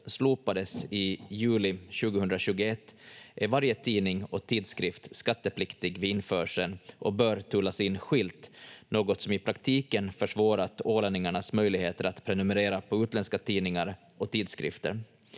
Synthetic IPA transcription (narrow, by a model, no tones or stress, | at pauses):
sluːpad̪əsɪjʉ̟ːlɪɕʉ̟ːɡəhɵnd̪ɾaɕʉ̟ːɡʊɛt̪ːʔæɾvaɾjət̪ʰiːnɪŋɔt̪ʰiːd̪skɾɪft̪skat̪ːəpʰlɪkt̪ɪɡvɪɪnfœːʂənʔɔbœːɾt̪ʰʉːlːasɪnːɧɪlt̪noːɡɔt̪sɔmɪpʰɾakt̪ʰiːkənfœʂvɑːɾat̪oːlɛnːɪŋaɳasmœjlɪɡheːt̪əɾat̪pʰɾɛnɵmɛɾeːɾapʰɔʉːt̪lɛnskat̪ʰiːnɪŋaɾ | ʔɔt̪ʰiːd̪skɾɪ̰ft̪ə̰ɾ